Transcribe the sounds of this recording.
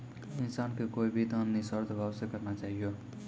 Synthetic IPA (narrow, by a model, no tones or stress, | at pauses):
insankekoibʱit̪ənːisəɾd̪ʱbʱabsekəɾnat͡ʃaɦijo